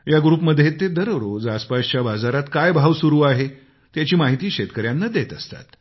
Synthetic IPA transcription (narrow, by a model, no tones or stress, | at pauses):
jaɡɾuːpməd̪ʱːjet̪ed̪əɾʋɾod͡zaspast͡ɕjabad͡zaɾat̪kajbʱaʋsuɾuːaɦe | t̪jat͡ɕiːmaɦit̪iːɕet̪kəɾjanːad̪et̪əst̪a̰t̪